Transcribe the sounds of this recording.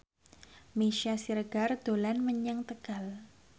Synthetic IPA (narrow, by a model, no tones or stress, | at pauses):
meʃiasiɾəɡ̥ard̪̥olanməɲəŋt̪əɡ̥al